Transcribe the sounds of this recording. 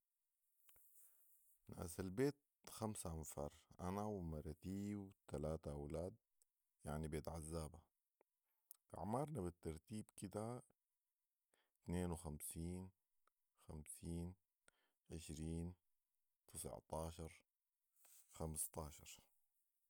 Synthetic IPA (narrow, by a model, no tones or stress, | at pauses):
na̰ːsalbeːt̪̚ | xamsaʔamfɑːɾˤʔanawmɑɾˤɑt̪iːwt̪alaːt̪aʔawlaːd̪̚ | jaʕnibeːt̪ʕazːaːba | ʔa̰ʕmɑɾˤnabɪt̪ːɑɾˤt̪iːbkɪd̪a | t̪neːnwxamsiːn | xamsiːn | ʕɪʃɾiːn | t̪ʰɪsʕt̪ɑːʃɑɾˤ | xamst̪ɑːʃɑ̰ɾˤ